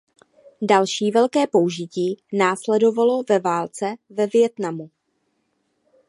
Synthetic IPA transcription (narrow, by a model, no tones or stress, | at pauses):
dalʃiːvɛlkɛːpo̞uʒɪciːnaːslɛdo̞valo̞vɛvaːlt͡sɛvɛvjɛt̪namu